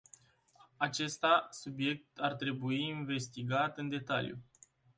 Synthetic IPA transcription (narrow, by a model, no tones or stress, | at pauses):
at͡ʃe̞st̪asubje̞k̚t̪art̪ɾe̞buiːnve̞st̪iɡat̪ɨnd̪e̞t̪a̰ljṵ